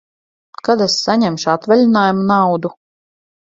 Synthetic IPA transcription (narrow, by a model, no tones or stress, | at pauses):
kad̪ɛsːaɲɛmʃat̪vɛlʲinaːjumunawd̪u